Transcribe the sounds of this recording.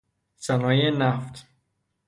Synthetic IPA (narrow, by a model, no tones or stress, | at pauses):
sænɒːjenæft̪